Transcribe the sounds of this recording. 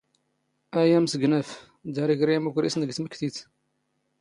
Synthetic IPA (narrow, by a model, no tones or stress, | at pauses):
æjæmsəɡnəf | d̪æɾiɡɾiæmukʷɾisnəɡt̪məkːθiθ